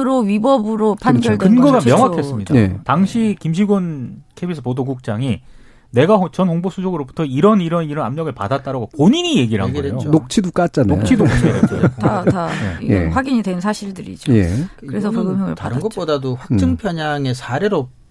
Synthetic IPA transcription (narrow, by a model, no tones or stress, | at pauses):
ɾoɥibʌbɯɾopʰanɡjʌɭdeɯnɡʌɡamjʌŋwakʰe̞s͈ɯmɲidataŋɕʰikimɕ̬ʰiɡunkʰebisʰɯpodoɡuk̚t͡ɕ͈aŋi | ne̞ɡat͡ɕʌnhoŋbosʰud͡ʑʌɡɯɾobutʰʌiɾʌniɾʌniɾʌnamɲʌɡɯɭpa̰dat͈aɾaɡopoɲiɲije̞ɡiɾɯɭɦaŋʌɾeejook̚t͡ɕʰidok͈at̚t͡ɕ͈anokt͡ɕʰidokaeɾeotataeiḛɸwaɡiɲidwe̞nsʰaɕʰiɭdɯɾḭd͡ʑojḛɾesʰʌkʌɡɯmjʌŋɯ̰ɭtaɾɯnɡʌtp͈odadoɸwak̚t͡ɕ͈ɯŋpʰjʌɲaŋe̞sʰaɾeɾo